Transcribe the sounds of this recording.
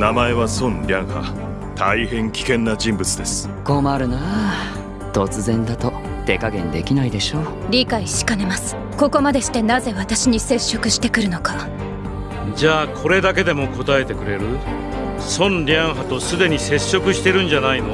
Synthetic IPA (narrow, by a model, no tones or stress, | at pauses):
namaeβasõ̞nɾʲãɰ̃ha̰ | t̪ʰaihẽ̞ŋkʲi̥kẽ̞nːad͡ʑĩmbɯt͡sɨd̪e̞sɨ̥ | ko̞ːmaɾɯ̟na | t̪o̞t͡sɨzẽ̞nd̪at̪o̞ | t̪e̞kaɡẽ̞̰nd̪e̞kʲinaid̪e̞ɕo̞ː | ɾʲikaiɕi̥kane̞masɨ̥ | ko̞ko̞mad̪e̞ɕi̥t̪e̞naze̞βat̪aɕiɲ̟ise̞ɕːo̞kɯ̟ɕi̥t̪e̞kɯ̟ɾɯ̟noka | d͡ʑaːkʰo̞ɾe̞d̪ak̬e̞d̪e̞mo̞ko̞t̪ae̞t̪e̞kɯ̟ɾe̞ɾɯ̟ | sõ̞nɾʲãɰ̃ɦat̪o̞sɨd̪e̞ɲ̟ise̞ɕːo̞kɯ̟ɕi̥t̪e̞ɾɯ̟̃ɲd͡ʑanaino